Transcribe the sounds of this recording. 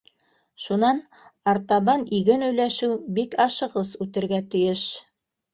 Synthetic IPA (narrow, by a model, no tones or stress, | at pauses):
ʃunɑn | ɑɾt̪ɑβɑniɡɘnɵ̆jlæʃɘwbikɑʃɤ̆ʁɤsʉt̪ɘ̆ɾɡæt̪ɘ̆jɘʃ